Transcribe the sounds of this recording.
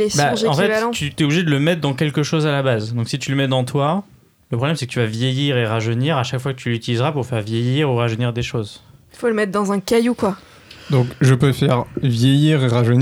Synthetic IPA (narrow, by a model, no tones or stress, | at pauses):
ebaʒeɑ̃fɛtvlɑ̃t̪ːyt̪yɛubliʒed̪ələmɛt̪χd̪ɑ̃k̬ʲɛlkəʃozalabazd̪ɔ̃ksit̪yləmɛd̪ɑ̃t̪ʰwa | ləpχɔblɛmsɛkət̪yvavjejiʁeʁaʒəniʁaʃakfwakət̪ʰylyt̪ilizʁapuʁfɛʁvjejiʁuʁaʒəniʁd̪eʃozifoləmɛt̪χd̪ɑ̃zɛ̃kajukwa | d̪ɔ̃kʒəpøfɛʁvjejiʁeʁaʒən